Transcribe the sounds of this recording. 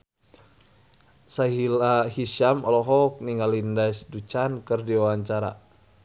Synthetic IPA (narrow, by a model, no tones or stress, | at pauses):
saɦilahiʃamɔlɔɦɔk̚niŋɡalindasdut͡ʃankɨrdiwawaɲt͡ʃaɾa̰